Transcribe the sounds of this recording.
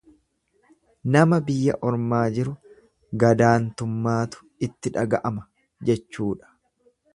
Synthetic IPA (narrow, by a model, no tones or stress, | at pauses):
nɐmɐbɪjːɐ̰ʔɔɾmaːd͡ʒɪɾʊ | ɡɐd̪aːnt̪ʊmːaːt̪ʊ̥ | ɪt̪ːɪᶑɐɡɐʔɐmɐ | d͡ʒɛt͡ʃːuːᶑɐ̥